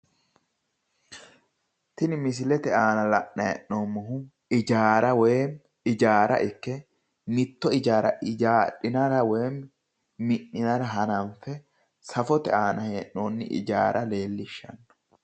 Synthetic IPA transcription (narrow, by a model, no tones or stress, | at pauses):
t̪ɪnɪmɪs̬ɪlɛt̪ɛaːnɐlɐʔnɐɛ̰ʔnoːmːɐɦu | ɪd͡ʒaːɾɐweːm | ɪd͡ʒaːɾɐ̰ʔɪkːɛ | mɪt̪ːɔɪd͡ʒaːɾɐʔɪd͡ʒaːᶑɪnɐɾɐweːm | mɪʔːɪnɐɾɐɦɐnɐnfɛ | sɐfɔt̪ɛaːnɐheːʔːoːnːɪ̰ʔɪ̰d͡ʒaːɾʔɐle̞ːlːɪʃːɐ̰nː